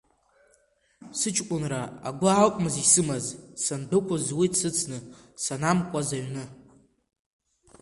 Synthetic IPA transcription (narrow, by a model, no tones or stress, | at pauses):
sɨt͡ʃʰʼkʷʼʊnraa̰ɡʷʊalkʷʼmɨzisɨmazsandɨkʷʰazwisɨt͡sʰnɨ | sanamkʷʼazaɥnɨ